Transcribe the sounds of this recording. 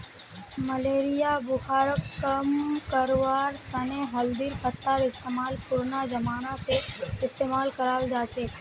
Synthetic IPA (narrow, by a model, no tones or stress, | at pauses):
məleɾijabʊhaɾəkːəmkəɾʋaɾt̪əneɦəld̪iɾpət̪ːaɾɪst̪emalpuɾnad͡ʒəmanaseɪst̪emalkəɾald͡ʒat͡ʃʰe